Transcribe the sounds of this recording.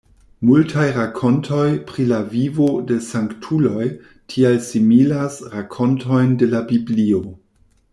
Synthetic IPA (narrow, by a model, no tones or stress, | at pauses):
multʰajɾakʰo̞ntʰo̞jpɾilavivo̞de̞saŋktʰulo̞j | tʰialsimilasɾakʰo̞ntʰo̞jnde̞labiblio̞